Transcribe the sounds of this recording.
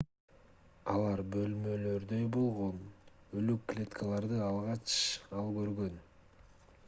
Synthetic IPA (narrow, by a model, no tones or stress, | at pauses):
ɑlˠɑɾbø̞lmø̞lø̞ɾd̪ø̞jbo̞lˠʁo̞n | ø̞lykːlʲet̪kʰalˠɑɾd̪ɯɑlˠʁɑt͡ʃɑlˠkø̞ɾɡøn